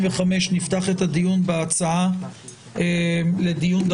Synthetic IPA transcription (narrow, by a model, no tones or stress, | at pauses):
veχameʃnift̪aχe̞t̪ad̪ijunbeat͡saa | ele̞d̪ijund